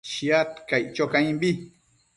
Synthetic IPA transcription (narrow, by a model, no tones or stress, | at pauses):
ʃiat̪kajt͡ʃokaĩmbi